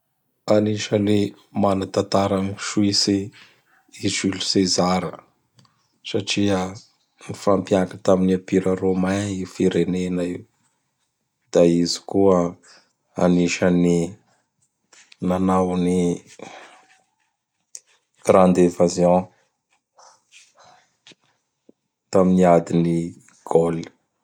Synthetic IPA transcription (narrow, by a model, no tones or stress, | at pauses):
aniʃəle | manat̪at̪aɾaniʃuwisi | izilu̥sezaɾə | saʈ͡ʂiə | nifampjakət̪aminiapiɾəromaifiɾenenai | d̪̥aizi̥kuə | aniʃəni | nanawni | ɡ̥rand̪evazjɔ̃ | t̪aminiad̪ini | ɡ̥oli̥